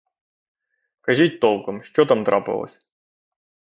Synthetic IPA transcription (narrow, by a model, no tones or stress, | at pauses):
kɐʒitʲt̪olˠkəmʃt͡ɕot̪amt̪ɾa̰pɨlˠə̰sʲ